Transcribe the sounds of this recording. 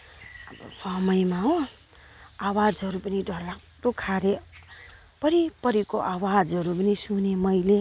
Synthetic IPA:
ʌb̰pʰʌmʌjmaɦõ | awad͡zʌɾupʌnidʱʌrla | tokʰaɾe | pʌɾipʌɾikoʔawad͡zʌɾupʌnisunemʌjle

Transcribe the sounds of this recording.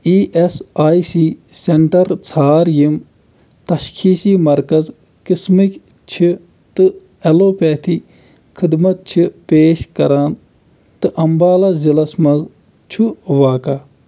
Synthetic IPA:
iːʔesaːisiːseɳʈɐɾt͡sʰaːɾjim | t̪ɐʃkʰiːsiːmɐɾkɐz | kismikʲ | t͡ʃʰi | t̪ɨ | ɐloːpɛːt̪ʰi | kʰid̪mɐt̪̚t͡ʃʰipeːʃkɐɾaːn | t̪ɨʔɐmbaːlɐzilɐsmɐz | t͡ʃʰuʋaːkaː

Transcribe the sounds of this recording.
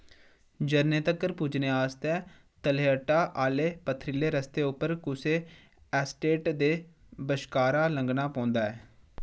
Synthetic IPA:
d͡ʒəɾneːt̪əkəɾpuːd͡ʒneːaːst̪ɛ̃ː | t̪əleːəʈːaːʔaːleːpət̪ʰːɾɪleːɾəst̪eːʊpːəɾkʊseː | ɛːsʈeːʈd̪eː | bəʃkaːɾaːləŋɡnaːpãːnd̪aːɛː

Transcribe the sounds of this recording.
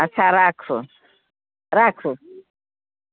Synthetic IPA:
asʰaɾakʰu | ɾakʰu

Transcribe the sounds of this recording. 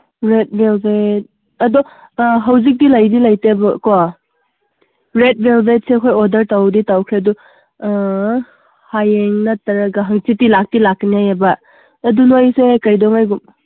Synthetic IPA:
ɾet̚belbet̚ | ɐdɔ | ɦɐwzik̚dilajdilajtebɐkɔ | ɾet̚belbet̚sekʰojɔdɐɾtawditawkʰɾeɐdu | hajeŋnɐtɐɾɐɡaɦɐŋt͡ʃitilak̚tilaknijajabɐː | dunojsekɐjdɔŋajɡum

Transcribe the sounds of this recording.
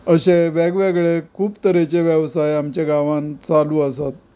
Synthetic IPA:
əɕeʋɛɡʋeɡɭekʰuːpt̪əɾet͡ɕeʋjəʋsajamt͡ɕaɡaʋãnt͡saluːəsat̪̚

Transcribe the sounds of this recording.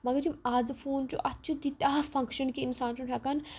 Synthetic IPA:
mɐɡɐɾimaːd͡zfʰoːnt͡ʃṵʔɐtːt͡ʃʰid̪it̪aːfɐ̃ŋkʃɐnkiinsaːnt͡ʃʰunɦɛkɐn

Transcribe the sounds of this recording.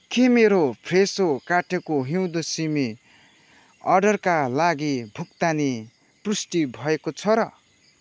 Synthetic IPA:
kemeɾopʰresokaʈʰekoɦiw̃d̪osimi | ʌrɖʌrkalaɡibʱuk̚t̪ani | prusʈibʱʌekot͡sʰʌɾʌ

